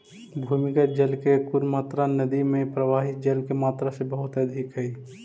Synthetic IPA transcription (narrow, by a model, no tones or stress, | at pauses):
bʱuːmɪkad͡ʒəlkekʊɾmaːt̪ɾanəd̪imẽpɾəʋaːɦɪt̪̚d͡ʒɐlkemaːt̪ɾasebəɦʊt̪əd̪ʱɪkɦɛi